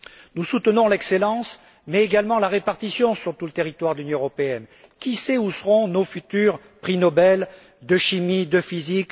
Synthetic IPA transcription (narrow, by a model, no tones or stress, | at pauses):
nusut̪ənɔ̃lɛkselɑ̃s | mɛeɡalmɑ̃laʁepaʁt̪isjɔ̃syʁt̪ulət̪eʁit̪waʁd̪əlynjɔ̃øʁɔpeɛn | kʲisɛusəʁɔ̃nofyt̪yʁ | pχinɔbɛl | d̪əʃimid̪əfizik